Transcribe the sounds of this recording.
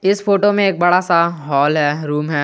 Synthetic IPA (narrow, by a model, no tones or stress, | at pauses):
ɪsfoːʈomẽeːk̚bɐɽasaɦɔːlɦɛːɾuːmɦɛː